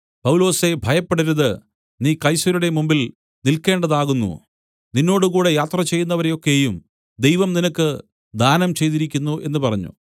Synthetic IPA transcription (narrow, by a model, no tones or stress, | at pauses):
pɐwlo̞ːse̞bʱɐjɐpːeɽiɾuðɨ | niːkɐjsɐɾuɽemumbil | nilke̞ːɳɖɐðaːɣunːṵ | ninːo̞ːɽukuːɽe̞jaːt̪rɐt͡ɕe̞jːunːɐʋɐɾejo̞kːe̞jum | d̪e̞jʋɐmninɐkːɨ | d̪ʱaːnɐmt͡ɕe̞jt̪iɾikʲːunːue̞nːɨpɐrɐɲːṵ